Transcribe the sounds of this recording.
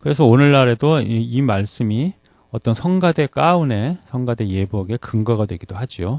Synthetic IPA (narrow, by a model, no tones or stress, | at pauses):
kɯɾe̞sʰʌonɯɭːaɾe̞doiimaɭs͈ɯmi | ʌt͈ʌnsʰʌnɡade̞k͈aune̞sʰʌŋɡade̞je̞boɡe̞kɯŋɡʌɡadwe̞ɡidohad͡ʑio